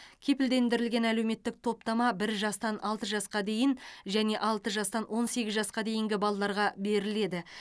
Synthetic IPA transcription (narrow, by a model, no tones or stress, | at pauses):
kʲʰe̞pɪld̪e̞nd̪ɪɾɪlɡʲe̞næle̞wme̞t̪ːɪk̚t̪ʰo̞p̚t̪ɑmɑbɪɾʒɑst̪ɑnʔɑlˠt̪əʒɑsqɑd̪e̞jɪnʒæne̞ʔɑlˠt̪əʒɑst̪ɑnwʔo̞nse̞ɡʲɪzʒɑsqɑd̪e̞jɪŋɡʲɪbɑlˠɑlˠɑɾʁɑbe̞ɾɪle̞d̪ɪ